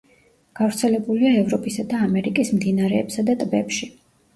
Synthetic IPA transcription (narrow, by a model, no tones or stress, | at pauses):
ɡ̥avɾt̪sʰɛlɛbuliaɛvɾɔpʼisad̪aːmɛɾikʼismd̪inaɾɛːpsad̪at̪ʼbɛpʃi